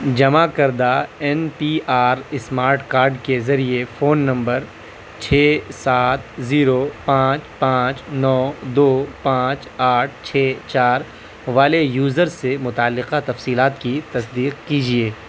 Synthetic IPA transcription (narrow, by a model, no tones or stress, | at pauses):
d͡ʒɐmakɐɾd̪aɛnpiːaːɾɪsmaːɾʈkaːɾɖkezɐɾiefoːnːɐ̃mbəɾ | t͡ʃʰeːsaːt̪̚ʰziːɾopãːt͡ʃpãːt͡ʃnɔːd̪oːpãːt͡ʃaːʈ̚ʰt͡ʃʰeːt͡ʃaːɾ | ʋaːlejuːzəɾemʊt̪aːlːɪqat̪ɐfsiːlaːt̪kit̪ɐsd̪iːqkiːd͡ʒieː